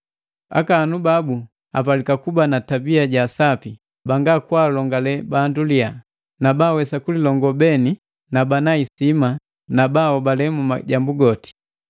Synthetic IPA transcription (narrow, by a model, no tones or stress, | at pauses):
a̰kaːnubabu | a̰p̬alikakubanatabiaɟasapi | baŋɡakwaːlɔŋɡalɛbandulia | nabaːwɛsakulilɔŋɡɔbɛni | nabanaisima | nabaɔbalɛmuma̰ɟambuɡɔti̥